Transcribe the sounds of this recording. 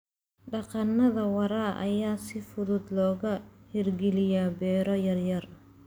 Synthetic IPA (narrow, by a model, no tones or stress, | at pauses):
ɖɑqɑnːɐðɐwɑɾaːʔɐ̰jaːsɪfʊðʊd̪lɔːɣɐhɪrɡɛlɪjaːbɛːɾɔjɐrjɐr